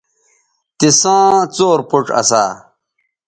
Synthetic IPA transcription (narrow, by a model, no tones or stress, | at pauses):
t̪isãːt͡soːɾpuʈ͡ʂɐ̰saː